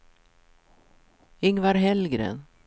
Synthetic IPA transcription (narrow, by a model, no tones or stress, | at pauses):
ɪŋvaɾɦɛlɡɾḛːn